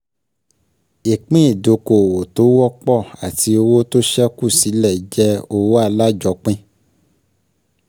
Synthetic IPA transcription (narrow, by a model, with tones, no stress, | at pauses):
i˨k͡pĩ˦i˦˨do˨˧ko˨wo˨to˨˦wɔ˦k͡pɔ˦˨a˨ti˧o˧wo˦to˦ʃɛ˦ku˦˨si˨˦lɛ˦˨d͡ʒɛ˦o˧wo˦a˦˧la˦d͡ʒɔ˧˦k͡pĩ˦